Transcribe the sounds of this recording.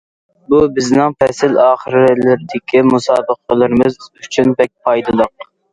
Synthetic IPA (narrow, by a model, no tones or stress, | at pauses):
bubɪznɪŋpɛsɪlɑːχəɾɪlɪɾɪd̪ɪkʲʰimusɑːbəqʰəlˠɨɾɪmɨzyt͡ʃʰynbɛk̚ʲpʰɑjd̪ɨlˠəq̚